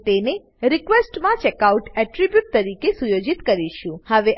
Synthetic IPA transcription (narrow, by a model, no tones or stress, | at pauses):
t̪ene | ɾikʋesʈmãt͡ʃɛkauʈɛʈɾibjuʈ̚t̪əɾikesujod͡ʒit̪kəɾiʃũhəʋe